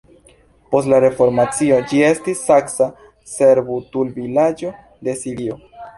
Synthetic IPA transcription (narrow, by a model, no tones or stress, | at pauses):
po̞stlaɾe̞fo̞ɾmat͡sio̞d͡ʒie̞stisːaksa | se̞ɾbutulvilad͡ʒo̞ | de̞siɾio̞